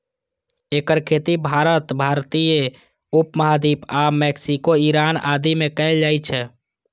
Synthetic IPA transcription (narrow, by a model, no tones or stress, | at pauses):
ekəɾkʰet̪ibʱaɾət̪bʱaɾt̪ije | upmɦad̪ipameksikoiɾana̰d̪imekɛld͡ʒaɪt͡ʃʰɛ